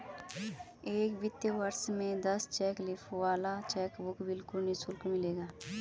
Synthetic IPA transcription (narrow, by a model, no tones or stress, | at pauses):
eːkbɪt̪jəʋɐɾsmẽd̪ɐst͡ʃɛːklɪfʰwaːlat͡ʃɛːkbʊkbɪlkʊlnisʊlkmɪleːɡaː